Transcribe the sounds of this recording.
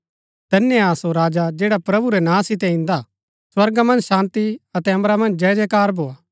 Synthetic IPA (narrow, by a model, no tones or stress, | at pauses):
d̪ɐnːjaːsoɾaːd͡ʒad͡ʒeːɽapɾɐbuɾɛnãːsɪt̪ɛ̃ɪ̃nd̪a | swɐɾɡamɐ̃nd͡ʒʃãːnt̪iɐt̪ɛɐ̃mɾamɐ̃nd͡ʒd͡ʒɛːd͡ʒɛkaːɾbʱoːaː